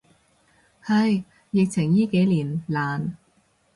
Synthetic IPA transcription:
hɐ˨j | jɪ˨k̚t͡sʰɪ˨˩ŋjiː˥ke˨˥jliː˨˩nlaː˨n

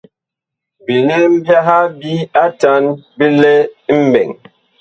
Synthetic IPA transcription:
bi˨ne˦m̩˦bja˦ɦa˦bi˦a˦ta˦nbi˦lɛ˦m̩˦bɛ̰˨ŋ

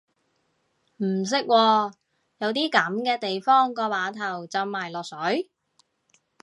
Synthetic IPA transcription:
m̩˨˩s̬ɪ˥k̚wɔː˧ | jɐ˨˧wt̪iː˥kɐ˨˥mkɛː˧t̪e˨jfɔː˥ŋkɔː˧waː˨˥t̪ʰɐ˨˩wt͡sɐ˨˧mːaː˨˩jlɔː˨k̚sɵ˨˥j

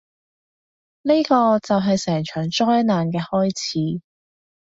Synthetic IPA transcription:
ne˥kɔː˧t͡sɐ˨wɦɐ˨jsɛː˨˩ŋt͡ʃʰœː˨˩ŋt͡ʃɔː˥jnaː˨nkɛː˧hɔː˥jt͡sʰiː˨˥

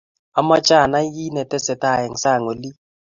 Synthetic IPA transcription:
a˨ma˦t͡ʃa˦˨na˦ji˦nɛ˨tɛ˦sɛ˨ta˦˨jɛ˨ŋ˨sa˦˨ŋo˨li˦

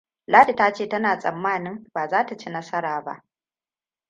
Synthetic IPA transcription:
laː˦di˨ta˦t͡ʃeː˦˨tɐ˦naː˨sʼɐ˨mːaː˦˨nɪ˦mbaː˨zaː˦ta˨t͡ʃe˦nɐ˦sɐ˦ɾaː˨ba̰˦ʔ

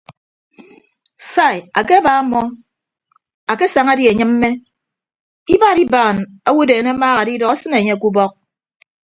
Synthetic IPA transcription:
sa˦˨ja˨ke˦ba˨˦mːɔ˦ | a˨ke˦sa˨ŋa˦di˦e˨ɲɨ˦mm̩ː˦e˦ | i˦ba˦˨ɾi˦baː˨na˦wu˦deː˨ne˦maː˦ɣa˨di˦dɔ˨ka˦sɨ˦ne˨ɲe˦a˨ku˦bɔ˦k̚

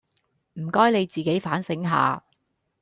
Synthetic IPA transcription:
m̩˨˩kɔː˥jne˨˧jt͡siː˨ke˨˥jfaː˨˥nsɪ˨˥ŋɦa̰ː˨˧

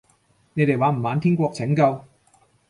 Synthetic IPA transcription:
ne˨˧jt̪e˨jwaː˨˧˥m̩˨˩maː˨˧nt̪ʰiː˥ŋkʷɔː˧k̚t͡sʰɪ˨˥ŋkɐ˧w

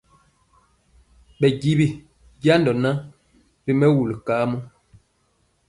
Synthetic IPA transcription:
ɓɛ˨ɡi˦bi˦ | ɟja˦ndɔ˨na˦ | bi˦mɛ˦wu˨lkaː˨˦mɔ˦

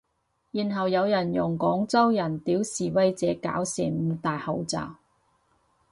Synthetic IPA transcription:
jiː˨˩nɦɐ˨wjɐ˨˧wjɐ˨˩njʊ˨˩ŋkɔː˨˥ŋt͡sɐ˥wjɐ˨˩nt̪iː˨˥wsiː˨˩wɐ˥jt͡sɛː˨˥ka̰ː˨˥wsḭː˨˩nm̩˨˧t̪aː˨jhɐ˨˧wt͡sa̰ː˨w

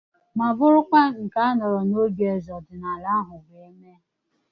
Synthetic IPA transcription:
ma˨vʊ˦ɾʊ˦kʷa˦ŋ̩˨ka˦a˦nɔ˨ɾɔ˨no˦ɡe˨zɔ˨dɪ˨na˨la˦ɦʊ˨ɡe˦me˦

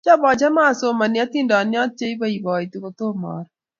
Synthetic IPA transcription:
t͡ʃɔ˦bɔ˨d͡ʒa˦ma˦˨so˨˦ma˨nja˦t̪i˦ndɔ˨njɔ˦t̚t͡ʃe˦i˦ba˦i˨bɔ˨i˨t̪u˨ko˨t̪o˦mɔ̰˨ɾ

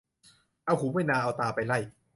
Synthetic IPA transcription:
ʔa˧˩wɦuː˨˦ma˥˩jnaː˧ʔa˧wt̪aː˧pa˧jla˥˩j

